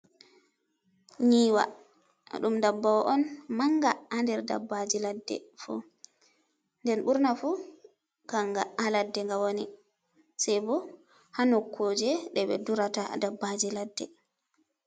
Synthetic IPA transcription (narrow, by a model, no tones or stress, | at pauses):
ɲiːwa̰ | ɗumdabːawɔʔɔnmaŋɡaandɛɾda̰bːad͡ʒiladːɛ̰fṵ | ndɛnɓuɾnafu | kaŋɡaaladːɛŋɡawoni | sajbɔ | hanɔkʰːod͡ʒɛɗɛɓɛ̰duɾatadabːad͡ʒiladːɛ